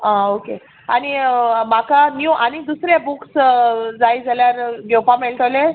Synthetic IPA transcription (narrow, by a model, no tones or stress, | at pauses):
ãoke | aɽ̃imakanjuʔañid̪usɾebuksd͡zaid͡zʱaljaɾɡewpameɭʈ̪ʰəʋle